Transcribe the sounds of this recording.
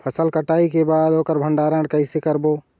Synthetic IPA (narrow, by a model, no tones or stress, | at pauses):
pʰəsəlkəʈaːikebaːd̪oːkəɾbʱə̃ɳɖaɾə̃ɳɽɖkəɪsekəɾbo